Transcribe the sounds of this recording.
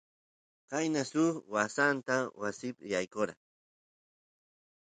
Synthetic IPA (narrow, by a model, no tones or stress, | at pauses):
kajnasʊχwasant̪awasɪpɪjajkoɾa̰